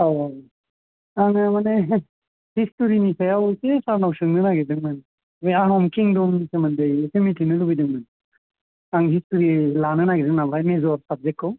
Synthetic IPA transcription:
awaw | aŋɯmane | histuɾinisajawsesaɾnawsɯŋnɯnaɡedɯŋmɯn | bejanɔmkiŋdumsemandɯjsemitiŋnɯlubidɯŋmɯn | aŋɦistuɾilanɯnaɡidɯŋnabajmezɔɾsab̚d͡ʒek̚ːaw

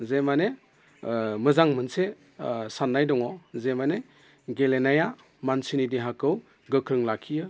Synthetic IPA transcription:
zemane | mɯzaŋmɯnse | sanːajdɔŋɔzemane | ɡelenaja | mansinidiɦakɯw | ɡɯkʰɾɯŋlakʰijɯ

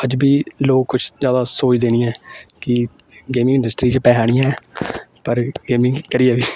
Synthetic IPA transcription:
əd͡ʒbiːloːkkːʊt͡ʃʰzjaːd̪aːsoːt͡ʃid̪eːnɪːãːkɪ | ɡeːmɪ̃ŋɪ̃ɳɖəsʈɾiːt͡ʃpɛːɦaːɽɪjãːɛːpəɾɡeːmɪ̃ŋkəɾɪɛːʋiː

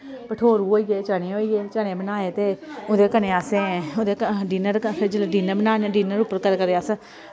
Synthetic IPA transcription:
pəʈʰoːɾuːoːiːeːt͡ʃənẽːoːiːeːt͡ʃəneːbənaːeːt̪eːʊd̪eːkənẽːaːsẽːʊd̪eːɖiːnəɾpʰəd͡ʒəlɖiːnəbənaːneɖiːnəɾʊpːəɾkəlkəɾeas

